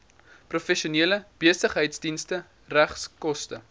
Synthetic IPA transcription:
profɛʃiuniələb̥iəsəχɦəjtsdinstə | ræχskɔstə

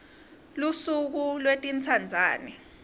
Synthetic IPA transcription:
lusuk̬ulwetʼint͡sʰand͡zʱaːni

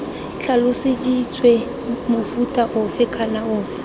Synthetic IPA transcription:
t͡ɬʰalʊsɪdit͡sʰʼwe | mʊfutʼaʔʊfɪkʰanaʊːfɪ̥

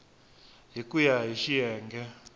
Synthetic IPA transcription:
ɦikʼujaɦiʃijɛːŋɡɛ

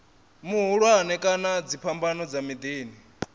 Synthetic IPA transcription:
muɦuɺuaanɛkʼanad͡zipʰambanɔd͡zamid̪iːni

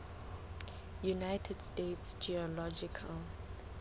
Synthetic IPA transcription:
junaɪtʰɛd̥stetsd͡ʒiɔlɔd͡ʒikʰəl

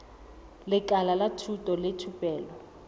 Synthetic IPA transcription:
lɪkʼalalatʰutʼɔletʰupʼɛːlɔ

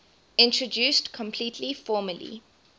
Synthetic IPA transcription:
ɪ̃ntɹədʉːˑstkʰɔ̃mpʰl̥itʰlifɔːməlḭ

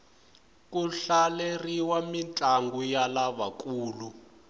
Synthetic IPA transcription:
kuɬaleriwamint͡ɬʼaŋɡujalaβakuːlu

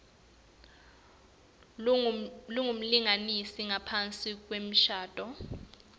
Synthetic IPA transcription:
luŋum̩liŋanisiŋapʰant͡sʼik̬ʼwem̩ʃaːd̥ʱʼɔ

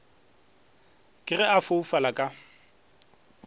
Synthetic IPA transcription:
kʼɪrɛafoufalakʼa

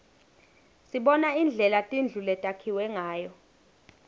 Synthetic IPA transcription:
siɓɔnaind͡ɮʱɛlatʼind͡ɮʱulɛtʼakʰiwɛŋaːjɔ

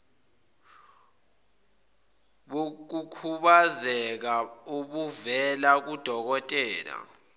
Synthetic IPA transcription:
ɓok̬ukʰuɓazɛk̬aukuvɛlak̬ud̥ʱɔk̬ɔtʼɛːla̰

